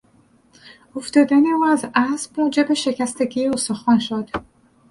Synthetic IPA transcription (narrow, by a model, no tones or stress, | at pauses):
oft̪ɒːd̪æneuːæzæsbud͡ʒebeʃecæst̪eɡiost̪oxɒnʃod̪̥